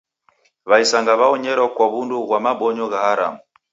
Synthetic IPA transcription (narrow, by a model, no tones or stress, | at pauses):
βaisaŋɡaβaɔɲɛɾɔkwaβunduɣwamaɓɔɲɔɣahaɾa̰mu